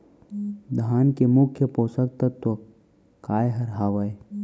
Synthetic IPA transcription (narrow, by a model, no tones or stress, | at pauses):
d̪ʱaːnkemʊkʰːjəpoːsək̚t̪ɐt̪ːo | kaːjɦɐɾɦaːʋɐj